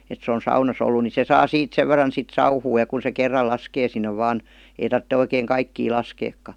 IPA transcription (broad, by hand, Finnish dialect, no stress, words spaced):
et se on̞ sɑunɑsˑ olːu ni se sɑː siːt seʋ ʋerˑɑn sit sɑuhuː jɑ kun̞ se kerːɑl lɑskeː sinːe ʋɑːn ei tɑrtːe oikeːŋ kɑikːiː lɑskeːkːɑ